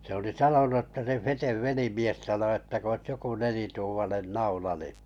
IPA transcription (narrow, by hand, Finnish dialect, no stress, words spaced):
se oli sɑnonu ə̆tːɑ se feteʋ ʋelimies sɑno etːæ k oĭs joku nelituːmɑnen nɑulɑ ni